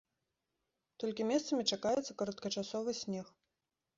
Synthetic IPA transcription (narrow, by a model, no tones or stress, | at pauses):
t̪ɔlʲkʲimʲɛst̪sɐmʲit͡ʂakajɛt̪sɐkɐɾɐt̪kɐt͡ʂasɔvɨsʲnʲɛx